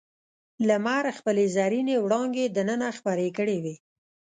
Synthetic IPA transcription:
lamaɾxpəlezaɾinewɽɑŋɡed̪ənənaxpaɾekəɽewe

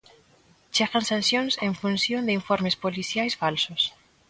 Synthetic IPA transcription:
t͡ʃeɣansansjonsẽɱfunsjond̪eiɱfoɾmespoliθjajsfalsos

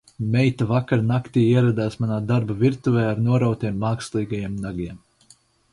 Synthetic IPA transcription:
mʲɛjt̪avakaɾnakt̪iːiɛɾad̪aːsmanaːd̪aɾbaviɾt̪uvɛːaɾnuɔɾawt̪iɛmːaːkslˠiːɡajiɛmnaɡiɛm

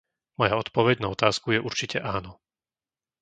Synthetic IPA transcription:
mɔjaɔt̪pɔʋɛɟnaɔt̪aːskujɛʔuɾt͡ʃicɛʔaːnɔ

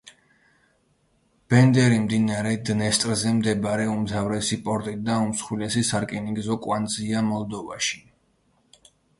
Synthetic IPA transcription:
b̥ɛnd̪ɛɾimd̪inaɾɛd̪nɛst̪ʼɾzɛmd̪ɛbaɾɛumzavɾɛsipʼɔɾt̪ʼit̚d̪aumsχwilɛsisaɾkʼɛniɡzɔkʼwanziamɔlˠd̪ɔva̰ʃi̥

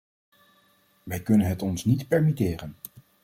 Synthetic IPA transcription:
ʋɛjkɵnənɦətɔnsnitpɛɹmitɪːrən

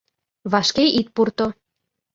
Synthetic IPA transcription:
βɑʃkeit̪̚purt̪o

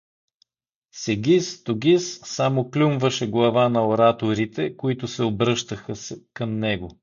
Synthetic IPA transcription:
sɛɡʲist̪oɡʲisːamoklʲumvəʃɛɡlˠɐvanɐoɾat̪oɾit̪ɛkoit̪ʊsɛobɾɤʃt̪əxəsɛkəmnɛɡo

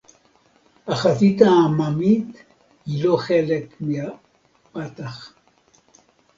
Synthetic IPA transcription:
aχasit̪amamit̪ | hiloχelekmia | pat̪aχ

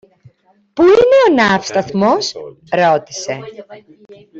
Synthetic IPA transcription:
puine̞o̞nɐfst̪ɐθmo̞s | ɾo̞t̪i̥se̞

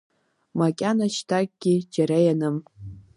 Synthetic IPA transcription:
makʲʼanaʃtʰak̚ʼɡ̥ʲid͡ʒaɾajanɨm

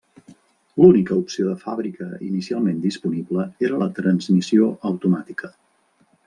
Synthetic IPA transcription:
lunikəupsioðəfaβɾikəḭnisialˠmend̪ispunibləeɾələt̪ɾənzmisioʔəwt̪umat̪ikʰə

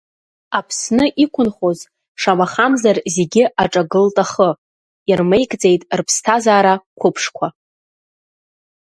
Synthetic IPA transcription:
apʰsnɨʔikʷʰʊnχoz | ʂamaχamzarze̞ɡʲɪʔaʈ͡ʂʼaɡɨltʼaχə | irme̞jkʼd͡ze̞jtʼrpʰstʰazaːɾakʷʰʊpʰʂkʷʰa

